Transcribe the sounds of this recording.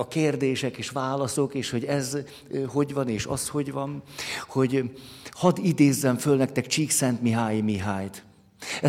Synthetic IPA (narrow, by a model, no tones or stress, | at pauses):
ɒkeːrd̪eːʃɛkeːʃʋaːlɒso̞keːʃho̞ɟɛz | ho̞ɟʋɒneːʃɒ̰sho̞ɟʋɒnho̞ɟhɒd̪id̪eːzːɛɱfølnɛk̚t̪ɛkt͡ʃiːksɛnt̪miɦaːjimiɦaːjt̪ | ɛ